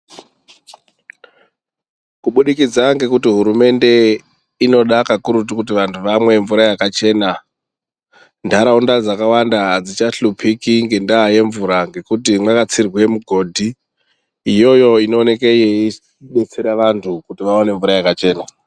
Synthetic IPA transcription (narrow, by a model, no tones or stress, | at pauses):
kuɓuɗikid͡zaŋɡe̞kutiɦuɾume̞nde̞ | ino̞ɗakakuɾut̬ukutiʋantʰuʋamwe̞ɱvuɾajakat͡ʃe̞ːna | ndʱaɾaundad͡zakawandaɦad͡zit͡ʃaɬupʰikiŋɡe̞ndaɦːje̞ɱvuɾaŋɡe̞kutimwakat͡sirwe̞muɡʱo̞ːdʱi | ijo̞jo̞ino̞ːne̞kejei | ɗe̞t͡se̞ɾaʋantʰukutiʋaone̞ɱvuɾajakat͡ʃe̞ːna